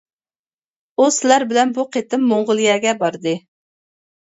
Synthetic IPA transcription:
usɪlæɾbɪlɛnbuqʰet̪ɪmːoɴʁʊlˠijɛɡʲɛbɑɾd̪ɨ

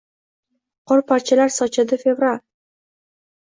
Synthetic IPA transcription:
qʰɒɾpʰaɾt͡ʃʰɪlaɾsɒt͡ʃʰad̪ɪfe̞vɾal

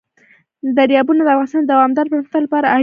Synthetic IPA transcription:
d̪aɾjɑbunod̪əafɣɑnɪst̪ɑnd̪awɑmd̪ɑɾpəɾuxt̪alapɑɾaa

